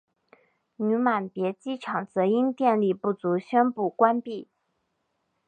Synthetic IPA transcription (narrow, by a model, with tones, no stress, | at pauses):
ny˧˥ma˨˩npjɛ˧˥t͡ɕi˥˩ʈ͡ʂʰɑ˨˩ŋt͡sɤ˧˥i˥nt̪jɛ˥˧nli˥˧pu˥˩t͡su˧˥ɕɥɛ˥npu˥˩kwa˥npi˥˩